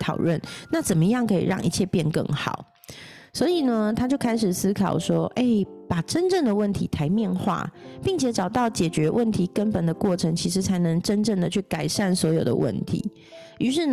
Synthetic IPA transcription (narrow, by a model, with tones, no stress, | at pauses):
t̪ʰɑ˨˩ʊlwə˥˨nna˥˩t͡sə˨˩nmə˦jɑ˥˩ŋkʰɤ˧˥ḭ˨˩ɻɑ̰˥˩ŋʔḭ˧˥t͡ɕʰjɛ˥˧pjɛ˥˧nkɤ̰˥˩ŋxɑ̰˨˩ʊ | swɔ˧˥i˨˩nə˦t̪ʰa˥t͡ɕjo˥˧ʊkʰa˥ɪʂ̬ɻ̩˨˩sɹ̩˥kʰɑ˨˩ʊʂwɔ˥ʔe˥˩ɪpa˨˩ʈ͡ʂə˦nʈ͡ʂə˥˩ŋd̪ə˩wə˥˩nt̪ʰi˧˦t̪ʰa˧˥ɪmjɛ˥˧nxwa̰˥˩pi˥˩ŋt͡ɕʰjɛ˨˥ʈ͡ʂɑ˨˩ʊt̪ɑ˥˩ʊt͡ɕjɛ˨˩t͡ɕɥɛ˧˦˥wʔə˥˩nt̪ʰi˧˥kə˦npə˨˩nd̪ə˦kwɔ˥˩ʈ͡ʂʰə˧˥ŋt͡ɕʰi˧˥ʂ̬ɻ̩˧˥t͡sʰa˧˥ɪnə˧˥ŋʈ͡ʂə˦˥nʈ͡ʂə˥˩ŋd̪ə˨t͡ɕʰy˥˩ka˨˩ɪʂa˥˩nswɔ˧˥jo˨˩d̪ə̰˦wʔə̰˥˩nt̪ʰḭ˧˦ | y˧˥ʂ̬ɻ̩˥˩n